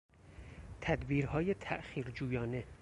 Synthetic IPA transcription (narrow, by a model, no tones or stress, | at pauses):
t̪ʰæd̪biːɾhɒːje̞t̪ʰæʔxiːɾd͡ʒuːjɒːne̞